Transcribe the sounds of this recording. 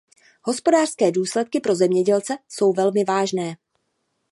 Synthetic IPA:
ho̞spo̞daːr̥skɛːduːslɛt̪̚kɪpɾo̞zɛmɲɛɟɛlt͡sɛso̞wvɛlmɪvaːʒnɛː

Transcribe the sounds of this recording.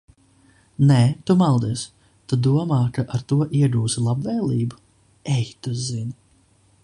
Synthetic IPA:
nɛt̪umalˠd̪iɛs | t̪ud̪uɔmɑːkaʔaɾt̪uɔʔiɛɡuːsilˠabvɛːlˠiːbu | ɛjt̪uzinʲ

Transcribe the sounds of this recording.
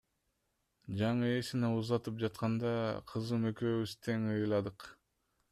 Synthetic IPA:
d͡ʒɑɴɯesineuzɑt̪ɯp̚d͡ʒɑt̪̚qɑnd̪ɑqʰɯzɯmøkøːβyz̥t̪ʰeŋɯjlˠɑd̪ɯq

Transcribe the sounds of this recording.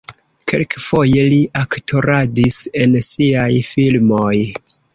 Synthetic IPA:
ke̞̰lkfo̞je̞liʔaktʰo̞ɾadise̞nsiajfilmoj

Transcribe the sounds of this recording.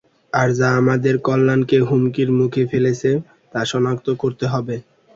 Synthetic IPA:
aɾd͡ʑaamad̪eɾkɔlːankeɦumkiɾmukʰefelet͡ɕʰe | t̪aʃɔnakt̪okoɾt̪eɦɔbe

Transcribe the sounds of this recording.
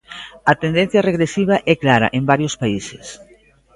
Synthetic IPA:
ɐt̪end̪en̟θjɐreɣɾesiβ̞ɐʔɛklaɾɐ̰ʔembaɾjospaises

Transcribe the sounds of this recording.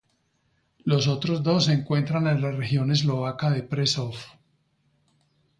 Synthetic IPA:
lo̞s̬o̞t̪ɾozd̪o̞seŋkwe̞nt̪ɾanenlarexjo̞ne̞zlo̞βakaðepɾesof

